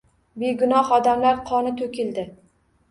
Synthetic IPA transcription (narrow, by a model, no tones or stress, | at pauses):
beɡʊnɒhɒd̪amlaɾqʰɒnɪt̪ʰokʲʰɪld̪ɪ